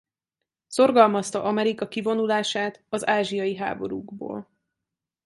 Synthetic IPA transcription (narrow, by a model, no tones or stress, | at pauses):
so̞rɡɒlmɒst̪ɒʔɒmɛɾikɒkivo̞nulaːʃaːt̪ɒzaːʒijɒjiɦa̰ːbo̞̰ɾṵːɡbo̰ːl